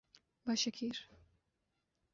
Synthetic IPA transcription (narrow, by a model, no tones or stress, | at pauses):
baʃɛkʰiɾ